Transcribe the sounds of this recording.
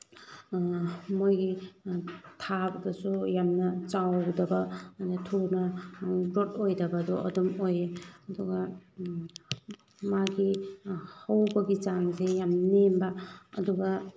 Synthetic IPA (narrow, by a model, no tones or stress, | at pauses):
mojɡi | tʰabɐdɐsujamnɐt͡ʃawdɐbɐanɐtʰuɾnɐbɾot̚ojdɐbɐdɔʔɐ̰dumojeɐduɡɐ | maɡi | hɐwbɐɡit͡ʃaŋzejamnembɐɐ̰duɡɐ